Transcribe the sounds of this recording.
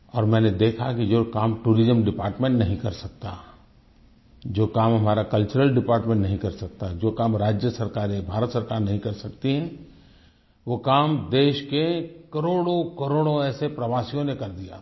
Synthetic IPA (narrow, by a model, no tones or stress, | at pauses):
ɔːɾmɛ̃ːned̪eːkʰakid͡ʒoːkaːmʈuːɾɪzəmɖɪpaːɾʈmẽɳʈnɐɦĩkɐɾsɐk̚t̪a | d͡ʒoːkaːmɦɐmaːɾakɐlt͡ʃəɾəlɖɪpaːɾʈmẽɳʈnɐɦĩkɐɾsɐk̚t̪ad͡ʒoːkaːmɾaːd͡ʒjəsɐɾkaːɾebʱaːɾət̪sɐɾkaːɾnɐɦĩkɐɾsɐkt̪iɦɛ̃ | ʋoːkaːmd̪eːʃkekɐɾoːɽokɐɾoːɽõɛːsepɾɐʋaːsijõnekɐɾd̪ija̰ː